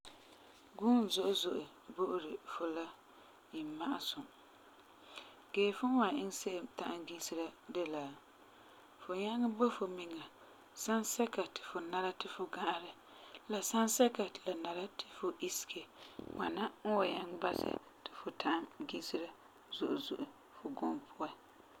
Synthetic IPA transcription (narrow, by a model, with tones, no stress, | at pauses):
ɡuː˦n˨zʊ˦ʔʊ˦zʊ˨ʔʊ˨ | bo˦ʔʊ˦ɾɪ˨fʊ˨la˦ | ji˨m˦ma˦ʔa̰˨sʊ˨ | ɡ̥eː˨fʊ˦n˦wa˨ɪ˦ŋse˦ʔta˦ʔa˦ɡi˦sɨ˦ɾa˦de˦la˨ | fʊ˨ɲa˦ŋ˦bo˦fo˨mi˨ŋa˨ | sa˦nsɛ˦ka˨tʰɪ̥˨fʊ˨na˦ɾa˦tɪ˨fʊ˨ɡa˦ʔɾɪ˨ | la˨sa˦nsɛ˦ka˨tla˨na˨ɾa˦tʰɪ˨fʊ˨ʔi˦sɪ̥˨ke˨ŋa̰˨na˦ŋ̩˦wa˨ɲa˦ŋ˦ba˦sɪ̰˨ | tɪ˨fʊ˨tʰa˦ʔmɡi˦sɪ˦ɾa˦ | zʊ˨ʔʊ˨zʊ̰˨ʔʊ˨ | fʊ˨ɡʊ˦mpʰʊ˦a˦